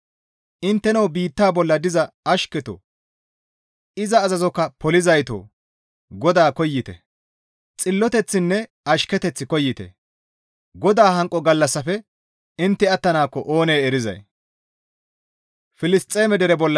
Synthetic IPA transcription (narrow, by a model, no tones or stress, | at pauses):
ʔɪnt̪ːɛnɐwbiːt̪ːaːbɔlːɐd̪ɪzɐɐʃkɛt̪o̰ː | ɪzɐːzɐzɔkːɐpɔlɪzɐjt̪o̰ː | ɡɔd̪aːkɔjːɪt̪ɛ̰ | t͡sʼɪlːɔt̪ɛt͡sːɪnːɛ | ɐʃkɛt̪ɛt͡sːɪkɔjːɪt̪ɛ̰ | ɡɔd̪aːhɐŋkʼɔɡɐlːɐsːɐfɛ | ɪnt̪ːɪɐt̪ːɐnaːkːɔʔo̞ːneːɛɾɪzɐ̰j | fɪlɪst̪ʼːeːmɛd̪ɛɾɛbɔlːɐ